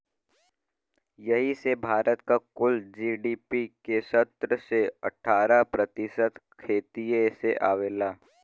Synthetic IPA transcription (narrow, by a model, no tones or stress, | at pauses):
jɐɦisebʱaːɾət̪kakʊld͡ʒiːɖiːpikesət̪ɾəseɐ̰ʈʰaːɾapɾɐt̪ɪsət̪kʰeːt̪ijeseʔa̰ːʋeːlaː